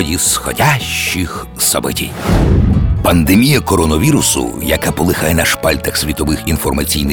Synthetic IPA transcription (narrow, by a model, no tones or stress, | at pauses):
ɔdʲisxɔ̰dʲaʃt͡ʃːix | sɔ̰bɔtʲḭj | pɐnd̪emʲijɐkɔɾɔnɔʋʲiɾʊsʊ̰jɐkapɔlˠɪxajɛnɐʃpalʲt̪ɐxsʲʋʲit̪ɔʋɪxinfɔrmɐt͡sʲḭjnɪ